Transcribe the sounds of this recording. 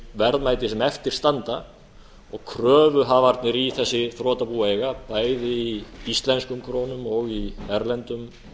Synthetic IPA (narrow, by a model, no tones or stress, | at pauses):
vɛɾðmaːjt̪ɪsɛmɛft̪ɪɾ̥st̪ant̪a | ɔɣkʰɾœːvʏɦavaɾt̪nɪɾiθɛsːɪθɾɔːt̪apuaejɣapaːjðɪiist̪lɛnskʏmkʰɾoːwnʏmɔɣiɛɾlɛnt̪ʏm